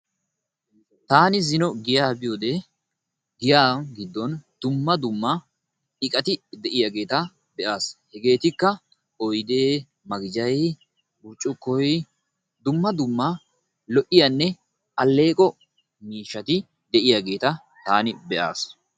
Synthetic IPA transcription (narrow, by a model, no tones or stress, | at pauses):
t̪aːnɪzɪnɔɡɪjaːbɪjoːd̪ɛ | ɡɪjaːɡɪd̪ːɔnd̪̥ʊmːɐd̪ʊmːɐ | ɪkʼɐt̪ɪd̪ɛʔɪjaɡe̞ːt̪ɐ | bɛʔaːshɛɡe̞ːt̪ɪkːɐ | ɔjd̪e̞ː | mɐɡɪd͡ʒɐj | bʊɾt͡ʃʼːʊkːɔj | d̪ʊmːɐd̪ʊmːɐ | lɔʔɪjanːɛ | ʔɐlːe̞ːkʼɔ | miːʃːɐt̪ɪ | d̪ɛʔɪjaɡe̞ːt̪ɐ | t̪aːnɪbɛʔa̰ːs